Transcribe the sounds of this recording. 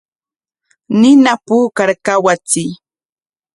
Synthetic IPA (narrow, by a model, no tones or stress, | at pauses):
nɪnapuːkaɾkawat͡sɪj